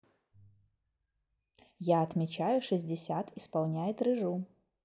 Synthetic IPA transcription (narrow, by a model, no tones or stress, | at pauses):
jaɐt̪mʲɪt͡ɕajʊʂɨzʲdʲɪsʲat̪ispalˠnʲajɪt̪rɨʐu